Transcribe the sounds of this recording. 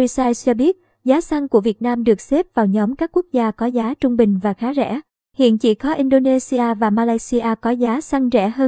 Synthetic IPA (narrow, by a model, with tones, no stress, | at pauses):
i˧saː˧jst͡ɕɔ˧ɓi˦˥ət̚ | zaː˨˦sa˧ŋku˧˩əvi˨˩ət̚naː˧mɗɨ˨˩ək̚se˦˥p̚vaː˨˩wɲɔ˨˦mkaː˦˥kːu˦˥ək̚zaː˧kɔ˨˦zaː˨˦t͡ɕʊ˧ŋ͡mɓï˨˩ŋ̟vaː˨˩xaː˨˦zɛ̰˧˩˥ | hḭ˧˨ənt͡ɕḭ˧˩kɔ˨˦ʔi˧nɗo˧ne˧si˧aː˧vaː˨˩maː˧laː˧jsi˧ʔaː˧kɔ˨˦zaː˨˦sa˧ŋzɛ̰˧˩həː˧